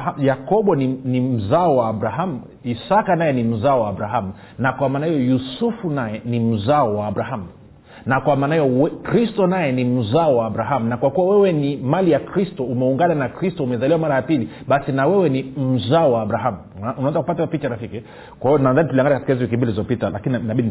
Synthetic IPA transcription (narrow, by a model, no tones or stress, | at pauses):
jakɔɓɔninim̩zaɔwaːbɾaɦamu | isakanajɛnim̩zaɔwaːbɾaɦamu | nakwamaːnahijɔjusufunajɛnim̩zaɔwaːbɾaɦamu | nakwamaːnahijɔwɛkɾistɔnajɛnim̩zaɔwaːbɾaɦamunakwakuwawɛwɛnimalijakɾistɔumɛuŋɡananakɾistɔumɛzaliwamaɾajapili | ɓasinawɛwɛnim̩zaɔwaːbɾaɦamuunawanzakupatapit͡ʃaɾafiki | kwaijɔnaðanituliaŋɡanikatikaiziwikimbililizɔpitalakininnaɓin